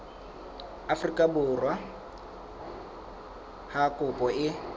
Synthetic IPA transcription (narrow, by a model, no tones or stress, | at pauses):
afʊrikʼabʊrwa | hakʼʊpʼɔɪ